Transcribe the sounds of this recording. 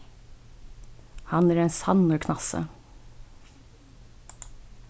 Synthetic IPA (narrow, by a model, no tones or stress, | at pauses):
hɑnæːɾeːnsɑnəɾkʰnɑsə̰